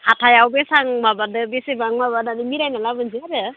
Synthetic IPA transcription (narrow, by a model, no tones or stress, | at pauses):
hʰatʰajawbesaŋmabadɯbesebaŋmabadanimiɾajnalabɯnsʰiaɾɯ